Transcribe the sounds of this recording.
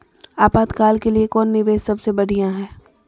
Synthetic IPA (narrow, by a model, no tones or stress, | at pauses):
aːpaːd̪kaːlkeliekɔːnːɪʋeːssɐbsebɐɽ̤ijãɦɛ̃ː